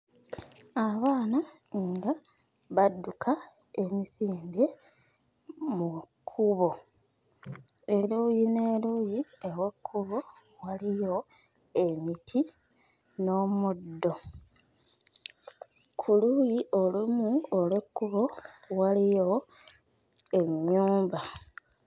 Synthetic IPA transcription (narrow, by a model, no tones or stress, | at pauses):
aβaːna | ŋɡa | βadːukʰa | e̞misiːnde | mukʰːuβo̞ | eluːjine̞ːluːjiewekʰːuβo̞ | walijo̞ | e̞mitʰi | no̞mudːo̞ | kʰulujiʔo̞lumuolekːuβo̞walijo̞ | e̞ɲːuːmba